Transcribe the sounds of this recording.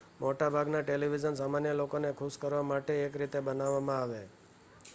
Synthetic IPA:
moʈabʱaɡnaʈeliʋid͡ʒəns̬amanjəlokonekʰuskəɾʋamaʈeːkɾit̪ebənaʋːamãaʋe

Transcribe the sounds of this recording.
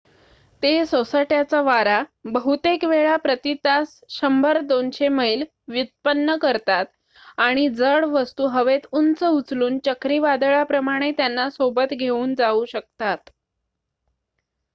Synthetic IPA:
t̪esosəʈjat͡saʋaɾabəɦut̪ekʋeɭapɾət̪it̪as | ɕəmbəɾd̪onɕeməiːl | ʋjut̪̚pənːəkəɾt̪at̪̚ | aɽ̃id͡zəɭʋəst̪uːɦəʋet̪unt͡səut͡sluːnt͡ɕəkɾiːʋad̪əɭapɾəmaɽ̃et̪janːasobət̪ɡʱeuːnd͡zauɕək̚t̪at̪

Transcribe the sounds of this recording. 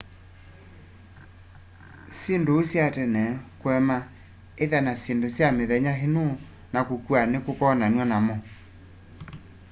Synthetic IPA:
sendoːsjatɛnɛkwɛma | eðɛnasendosjameðɛɲaɦeno | nakokwanekokɔnanwɛnamɔ

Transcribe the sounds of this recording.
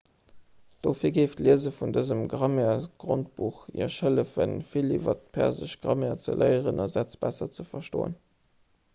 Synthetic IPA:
d̥ofiːɐɡeɪftliəzəfundəzəmɡʁɑmeːɐɡ̥ʁont̚b̥uχḭɐʃələfənfilivɐtpʰæ̰ɐzəɕɡ̥ʁɑmeːɐt͡sə̰lʔɜɪəʁənɑzæt͡sb̥æsɐt͡səfɐʃtoːə̰n

